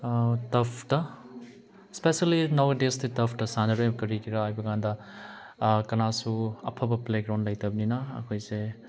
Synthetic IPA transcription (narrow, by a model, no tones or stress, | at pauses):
tɐpʰtɐ | spesalinawɡɐdestitɐpʰtɐsanɐɾojmɐkɐɾikʰiɾaajbɐɡandɐ | kɐnasuɐ̰pʰɐbɐpleɡɾawnlɐjtʰɐbɐninɐɐ̰kʰojse